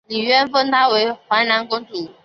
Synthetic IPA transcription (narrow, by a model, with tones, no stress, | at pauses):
li˨˩ɥɛ˥nfɤ˥ŋt̪ʰa˥we˧˥ɪxwa˧˥na˧˥nkʊ˥ŋʈ͡ʂu˨˥˦